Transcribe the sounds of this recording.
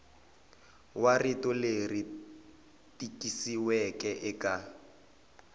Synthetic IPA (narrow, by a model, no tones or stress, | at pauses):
waritɔleri | tʼikʼisiwɛkʼɛʔɪka